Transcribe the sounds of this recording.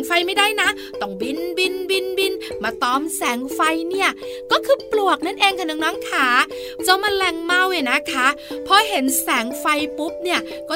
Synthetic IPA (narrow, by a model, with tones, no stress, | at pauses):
ŋfa˧jma˥˩jdaː˥˩jna˦˥ | t̪ɔ˧˩ŋbi˧nbi˧nbi˧nbi˧nmaː˧˩t̪ɔː˧˩msɛː˩˦ŋfa˧jni˥˩ɐkɔː˥˩kʰɯː˧plu˨˩ək̚na˥˩nʔeː˧ŋkʰa˥˩nɯ˨˩ŋnɔː˦˥ŋkʰaː˩˦ | t͡ɕɔ˧ma˧nlɛ˧ŋma˧˥˩wa˨˩na˦˥kʰa˦˥pʰɔ˧ɦe˩˦nsɛː˩˦ŋfa˧jpu˦˥p̚ni˥˩ɐ | kɔː˥˩